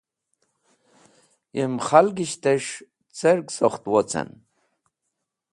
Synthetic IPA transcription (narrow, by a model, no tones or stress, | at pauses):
imχalɡiɕt̪eʂ | t͡seɾksoχt̪wot͡sə̰n